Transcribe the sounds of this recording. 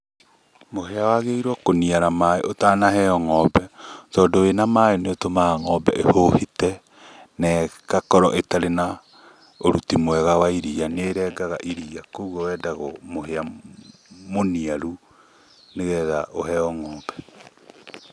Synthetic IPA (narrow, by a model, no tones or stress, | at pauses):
moheawaɣeiɾwɔkoniaɾamaeʔotanaɦɛɔŋɔbɛtɔːdowenamaeneotomaaŋɔbɛʔehohitɛ | nɛkakɔɾɔʔetaɾena | oɾutimwɛɣawaiɾianeːɾɛɡaɣaʔiɾiakouɣɔwɛːdaɣɔmohea | moniaɾu | neɣɛːðaʔoɦɛɔŋɔːbɛ